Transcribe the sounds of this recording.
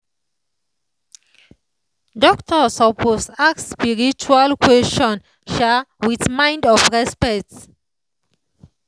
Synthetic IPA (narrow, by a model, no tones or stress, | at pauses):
dɔktʰɔsɔpʰosakspiɹit͡ʃualkwɛst͡ʃɔ̃n | ʃawiθmãj̃ndɔfɹɛspɛkt